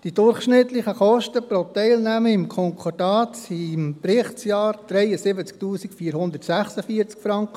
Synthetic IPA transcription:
d̥id̥ʊɾχʃnɪtlɪχəχɔʃtəpɾotɛɪlnæməɪmkʰɔŋkʰɔdɑːt͡simpɾɪχtsjɑːɾd̪̥ɾɛɪəsɪbət͡sk̚tuːsikfiːɾɦhʊnd̪ərtsæχsəfiːəɾt͡skfɾɑŋkə

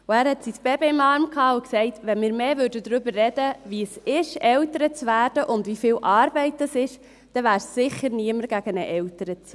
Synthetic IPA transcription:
ʊæːɾhɛtsisb̥ɛbiɪmɑːɾmkʰhɑːʊksɛɪtʋɛnmɪːɾmeːvʏɾdədɾʏbərːɛdəvisɪʃɛltəɾət͡svæːɾd̥əʔʊndvifiːwʔɑːɾbɛɪt̚d̥ɑsɪʃ | d̥ɛvæːɾsːɪχəɾniəməɾɡ̥æɡ̥ənəʔɛltəɾət͡s

